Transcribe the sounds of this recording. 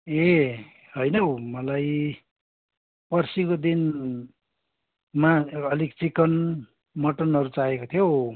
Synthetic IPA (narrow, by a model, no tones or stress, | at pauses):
e | hojnʌomʌlaj | pʌrsikod̪in | maʌlikt͡sikʌn | mʌʈʌnʌɾut͡saekot̪ʰijo